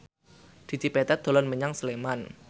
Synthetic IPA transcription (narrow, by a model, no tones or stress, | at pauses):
d̪̥i̤d̪̥ipɛt̪ɛd̪̥o̤lɔnməɲaŋsəleman